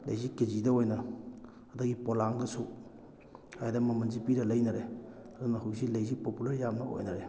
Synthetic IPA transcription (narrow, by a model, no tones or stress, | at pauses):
lɐ̰jzikezidɐojnɐ | ɐdɐɡipolaŋɡɐsu | hajdɐmɐmɐnzipiɾɐlɐjnɐɾeɐdunɐhuwsilɐjzipopulɐɾjamnɐo̰jnɐɾe